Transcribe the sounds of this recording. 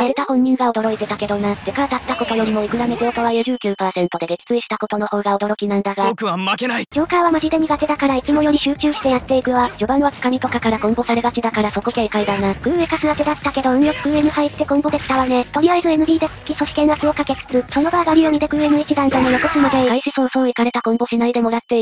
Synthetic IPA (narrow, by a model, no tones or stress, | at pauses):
aeɾet̪ahõ̞ɲ̟ːĩŋɡao̞d̪o̞ɾo̞it̪e̞t̪ake̞d̪o̞nad̪ekaɾat̪at̪ːako̞t̪o̞jo̞ɾʲimo̞ikɯ̟ɾamed͡ʑo̞ːkaβajoʑɨːkʲɨːpaːsẽ̞nt̪o̞d̪e̞ɡ̪ekʲi̥t͡sɨiɕi̥t̪ako̞t̪o̞no̞ho̞ːɡaod̪o̞ɾo̞kʲinãnd̪aɡaokɯaakenaid͡ʑ̥ʲoːkaiβamaʑid̪e̞mʲiɡat̪ed̪akaɾait͡simo̞jo̞ɾʲiɕɨːt͡ɕɨːɕi̥t̪e̞jat̪ːe̞ikɯ̟βad͡ʑo̞bãɰ̃βakɯ̥kamʲit̪o̞kakaɾaɡõ̞mbo̞saɾebat͡ɕid̪akaɾaso̞ko̞ke̞ːkaid̪anaɡ̥ɯ̟̃ɰe̞kasɨβak̪ed̪att̪ake̞d̪o̞ɯ̟̃ŋjokɯ̥kɯ̟emɯ̟hait̪ːe̞ɡõ̞mbo̞d̪e̞̥t̪aβane̞t̪o̞ɾʲiβaizɨe̞nɯ̟bʲiːd̪e̞ɨ̥kʲiso̞ɕi̥kẽ̞ɰ̃asɨo̞kakekɯ̥sɨɯ̟so̞no̞baːɡaɾʲio̞mʲid̪e̞ɡɯ̟enɯ̟ikʲid̪ãnɡ̪anojokosɯmad̪eaiɕisonsoːikaɾe̞t̪aɡõ̞mbo̞ɕinaid̪e̞mo̞ɾat̪ːe̞i